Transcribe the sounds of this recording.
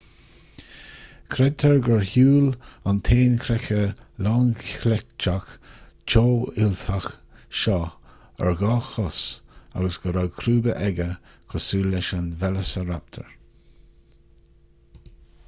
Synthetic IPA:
kʰɾɛt̪ʰəɹɡəɹhuːlant̪ʰeːnkʰɾɛxəlɑːŋkʰlɛkt͡ʃak | t͡ʃoːɪlt̪ʰaxʃɑ | ə̰ɹɡɑːxɔsa̰ɡəsɡ̥əɾakʰɾuːbəʔɛɡə | kʰɔsuːlːɛʃənvɛləsəɾap̚t̪ʰə̰ɹ

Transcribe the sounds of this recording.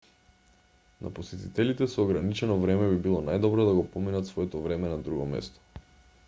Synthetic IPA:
nʔa̰posɛt̪it̪ɛlit̪ɛsɔːɡɾanit͡ʃɛnɔvɾɛmɛbibilˠɔnajd̪ɔbɾɔd̪aɡɔpɔminat̪svɔɛt̪ɔvɾɛmɛnad̪ɾuɡɔmɛ̰st̪ɔ̥

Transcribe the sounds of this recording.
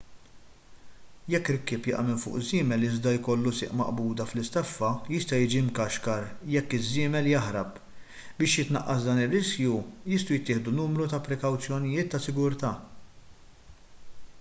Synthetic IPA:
jɛkːɪɾkːɪːpjɪ̰ʔɐ̰mɪmfʊ̰ːʔzːɪːmɛlɪzd̪ɐjkɔlːusɪ̰ːʔmɐ̰ʔbuːd̪ɐflɪst̪ɐfːɐjɪst̪ɐjɪːd͡ʒimkɐʃkɐɾjɛkːɪzːɪːmɛljɐħɾɐp | bɪːʃjɪt̪nɐʔːɐsd̪ɐːnɪrːɪskjujɪst̪ujɪt̪ːɪːħd̪unuːmɾut̪ɐpɾɛkɐwt͡sjɔnɪjɪːt̪ːɐsɪɡʊɾt̪ɐː

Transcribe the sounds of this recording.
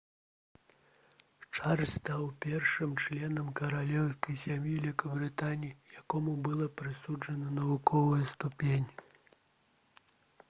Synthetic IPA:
t͡ʂarʲst̪awpʲɛrʂɨmt͡ʂlʲɛnɐmkɐɾalʲɛwskɐjsʲamʲjilʲikɐbɾɨt̪anʲijijakɔmubɨlˠɐpɾɨsud͡ʐɐnɐnɐvukɔvɐjɐst̪upʲenʲ

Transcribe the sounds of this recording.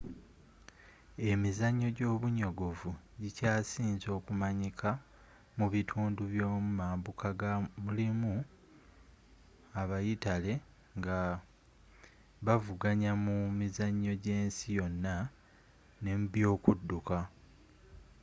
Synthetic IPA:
e̞mizaɲːo̞ɟo̞ːβuɲo̞ɡo̞vuɟicaːsiːnzo̞ːkumaɲikʰa | muβitʰuːnduβjoːmumaːmbukʰaɡamulimu | aβajitale̞ | ŋɡa | βavuɡaɲamumizaɲːo̞ɟe̞ːnsijo̞nːa | ne̞mbjo̞ːkudːuka

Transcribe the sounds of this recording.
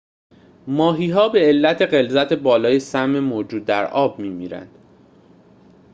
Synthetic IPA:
mɒːɦiːɦɒːbe̞ːlːæt̪ʰe̞ɢe̞lzæt̪ʰe̞bɒːlɒːje̞sæmːe̞moːd͡ʒuːd̪ːæɾɒːb̚miːmiːɾæ̰nd̪̥

